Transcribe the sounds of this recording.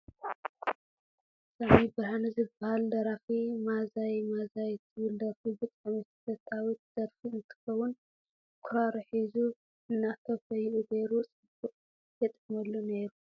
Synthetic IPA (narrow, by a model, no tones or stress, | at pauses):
samibɨɾhanɨzɨbːɐhald̪ɐɾafimazajmazajt̪ʰɨβɨld̪ɐɾfibɨt̪ʼamɐssɐt̪ʰawit̪̚z̥ɐɾfiɨnt̪ʰɨ̥xɐwʊn | kʰʊɾaɾɐħizu | ɨnːat̪ʰɐfɐjʔuɡ̪eɾut͡sʼɨbuqʼ | jɛt̪ʼɨmɐlːune̞ɾu